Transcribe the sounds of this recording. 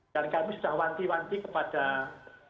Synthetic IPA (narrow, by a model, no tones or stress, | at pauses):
d̥ankamisud̥ahwant̪iwant̪ikəpad̥a